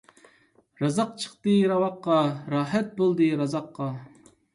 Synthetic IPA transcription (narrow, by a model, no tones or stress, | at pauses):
ɾɑzɑq̚t͡ʃʰə̥qt̪ɨɾɑwɑqːɑɾɑːɦɛt̪̚bolˠd̪ɨɾɑzɑqːɑ